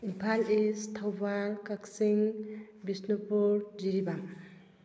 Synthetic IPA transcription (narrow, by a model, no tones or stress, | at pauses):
impʰalest̪ʰawbakaksiŋ | bisnupuɾd͡ʒiɾibam